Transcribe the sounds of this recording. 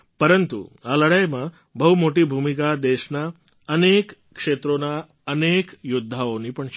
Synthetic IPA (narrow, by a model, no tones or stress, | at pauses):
pəɾənt̪ṵaləɽəjmã | bəɦumoʈibʱumikad̪eʃna | ənekː | ʃet̪ɾona | ənekjʊd̪ʱːaonipəɳ